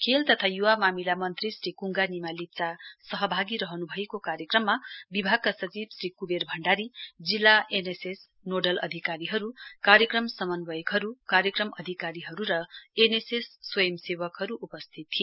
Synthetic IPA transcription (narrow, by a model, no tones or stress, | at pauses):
kʰelt̪ʌt̪ʰajuwamamilamʌnt̪risɾikuŋɡanimalit͡sasʌɦʌbʱaɡiɾʌɦʌnubʱʌjekokaɾjʌkrʌmːabibʱaɡ̚kasʌt͡sibsrikuberbʱʌɳɖaɾid͡zilːaʔeneses | noɖʌlʌ̰d̪ʱikaɾiɦʌɾukaɾjʌkrʌmsʌmʌnwʌjkɦʌɾukaɾjʌkrʌmʔʌd̪ʱikaɾiɦʌɾuɾʌenesesːwʌjʌmsewʌkɦʌɾuʔupʌst̪ʰit̪ːʰi